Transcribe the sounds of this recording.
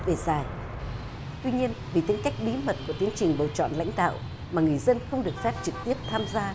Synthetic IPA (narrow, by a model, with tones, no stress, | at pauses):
ɗe˧˩zaː˨˩j | t̪wi˧ɲi˧ənvḭ˧˨t̪ï˨˦ŋ̟ka˦˥jk̟̚ɓi˨˦mə˨˩t̚ku˧˩ət̪i˨˦ənt͡ɕï˨˩ŋ̟ɓəː˨˩t͡ɕɔ̰˧˨nla̰˧˥jŋ̟ɗa̰ː˧˨w | maː˨˩ŋɨ˨˩əjzə˧nxə˧wŋ͡mɗɨ˨˩ək̚fɛ˦˥p̚t͡ɕɨ˨˩k̚t̪i˦˥əp̚t̪ʰaː˧mzaː˧